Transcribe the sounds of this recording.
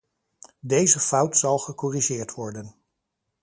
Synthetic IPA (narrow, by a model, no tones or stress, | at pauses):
dejzəfʌwtsɑlˠχəkɔriʒɪːɹtʋɔɹdən